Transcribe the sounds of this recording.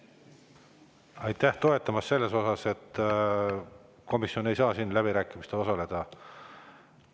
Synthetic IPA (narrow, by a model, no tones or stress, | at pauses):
ɑjt̪ːˑæht̪o̞e̞t̪ːˑɑmɑsːe̞lːe̞so̞sɑse̞t̪ː | ko̞misjo̞ne̞jsɑːsinːlæb̥iɾæːkːˑimist̪eo̞sɑle̞d̪̥ɑ